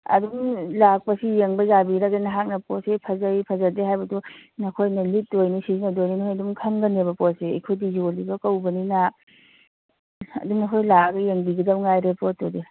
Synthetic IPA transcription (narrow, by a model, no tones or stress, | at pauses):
ɐ̰dumlak̚pɐsijeŋbɐzabiɾaɡenɐɦak̚nɐpɔsepʰɐzajpʰɐzɐdeɦajbɐdunɐkʰojnɐlit̚dojnisizinɐdojninɐkʰojɐdumkʰɐŋɡɐnebɐpɔt̚seḛkʰojdizolibɐkɐwbɐnina | ɐ̰duŋnɐkʰojlaɡɐjeŋbiɡɐdɐwŋajɾepot̚ːode